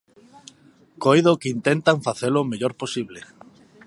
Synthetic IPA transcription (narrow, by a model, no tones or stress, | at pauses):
kojðokeint̪ent̪aɱfaθelomeʎoɾposiβle